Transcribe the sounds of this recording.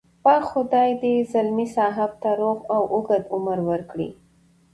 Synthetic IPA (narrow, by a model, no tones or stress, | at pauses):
pɑxʊd̪ɑjd̪ezalmisɑɦab̚t̪aɾoɣawʔʊɡad̪ʊməɾwəɾkɽḭ